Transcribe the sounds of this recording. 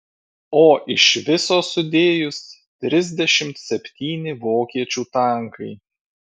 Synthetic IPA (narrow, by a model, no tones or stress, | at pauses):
oːʔɪʃʋʲɪsoːsʊd̪ʲeːjʊs | t̪ʲɾʲɪzʲd̪ʲɛʃʲɪmt̪sʲɛpʲt̪ʲiːnʲɪʋoːkʲiɛt͡ʃʲuːt̪ɐˑŋkɐɪ